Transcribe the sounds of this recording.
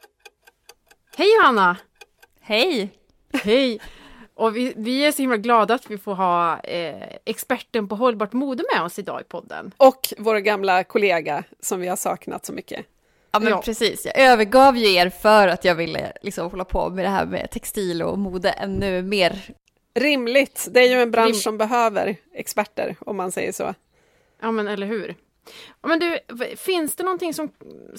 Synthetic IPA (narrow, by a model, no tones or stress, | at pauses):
hɛjːanːa | hɛj | hɛjʔɔvɪvɪæʂɔhɪmlaɡlɑːd̪aːt̪vɪfoːɾɦɑː | ɛkspæʈːəɳpɔɦɔlːbɑːʈmuːd̪əmɛɔsɪd̪ɑ̰ːɪ̰pʰɔd̪ːə̰nɔkvoːɾaɡamlakʰʊleːɡa | sɔmvɪhaʂɑ̰ːkna̰t̪sɔmʏkːə̰ | ɑːmɛpʰɾɛsiːsjɑ̰ːɡøːvəɡɑːvjɵeːɾfœɾat̪ʰjɑːɡvɪlːə̰lɪksɔmhɔlːapʰɔ̰mɛd̪ɛɦæ̰ːɾmɛ̰t̪ʰɛkst̪iːlɔ̰muːd̪əʔɛnːʉmeːɾ | ɾɪmlɪɡt̪d̪ɛæɾjɵɛnbɾanʂːɔmbɛɦøːvə̰ɾɛkspæʈːə̰ɾɔmːansɛ̰jːəʂɔ̰ː | jɑːmɛnɛlːəɾɦʉ̟ːɾ | mɛnd̪ɵfɪnsd̪̥ɛnɔnt̪ɪŋsɔm